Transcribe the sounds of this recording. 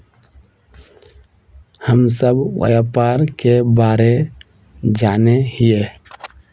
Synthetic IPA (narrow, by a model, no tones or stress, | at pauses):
həmsəbwə̰japaːɾkebaːɾe | d͡ʒaːneɦije